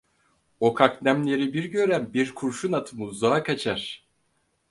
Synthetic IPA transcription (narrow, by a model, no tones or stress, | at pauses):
o̞kʰaknæmlʲe̞ɾibiɾɟø̞ɾænbiɾkʰuɾʃunat̪ʰɯmuzaakʰat͡ʃʰaɾ̥